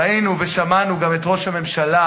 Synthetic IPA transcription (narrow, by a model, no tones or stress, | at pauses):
ainuveʃamanuɡamet̪ʁo̞ʃhame̞mʃala